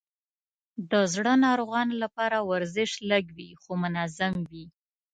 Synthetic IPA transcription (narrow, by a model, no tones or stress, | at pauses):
d̪əzɽənɑɾoɣɑnolapɑɾawaɾzɪʃləɡwixomʊnazamwi